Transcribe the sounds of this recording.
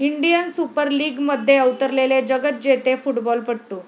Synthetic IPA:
iɳɖijənsupəɾliːɡməd̪ʱːjeəʋt̪əɾleled͡ʑəɡət̪̚d͡ʑet̪efuʈbɔlpəɽʈuː

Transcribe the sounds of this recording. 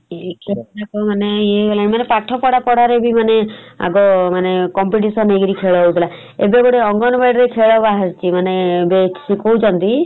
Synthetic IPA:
kʰeɭɔakɔmaneeɔlaimanepaʈʰɔpɔɽapɔɽ̤aɾebʱimanea̰ɡɔmanekɔmpiʈ̬isɔneɡɾikʰeɭɔɦewt̪ʰila | ebeɡɔɽeɔŋɡɔnɔbajɖɾekʰeɭɔbaɦast͡ʃimanebet͡ʃsikoud͡ʒɔnt̪i

